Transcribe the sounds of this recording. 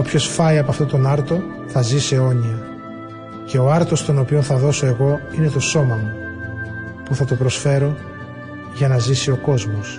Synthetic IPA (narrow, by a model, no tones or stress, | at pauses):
opço̞sfɐiɐpoɐft̪o̞t̪o̞nɐɾt̪o̞ | θɐziseo̞ɲiɐ | ce̞o̞ɐɾt̪o̞st̪o̞no̞pio̞nθɐðo̞so̞e̞ɣo̞ine̞t̪o̞so̞mɐmu | puθɐt̪o̞pɾo̞sfe̞ɾo̞ | ʝɐnɐzisio̞ko̞zmo̞s